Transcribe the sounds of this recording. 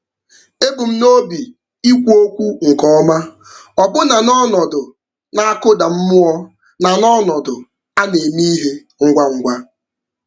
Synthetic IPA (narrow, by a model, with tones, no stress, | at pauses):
e˦bu˨m̩˦no˦bi˨ | i˦kʷu˦o˦kʷu˦ŋ̩˨kɔ˦ma˦ | ɔ˨bʊ˦na˨nɔ˦nɔ˨dʊ˨ | na˨a˦kʊ˦da˨m̩˦mʊ˦ɔ˦ | na˨nɔ˦nɔ˨dʊ˨ | a˦ne˨mi˦ɦe˦ | ŋ̩˦ɡʷa˦ŋ̩˦ɡʷa˦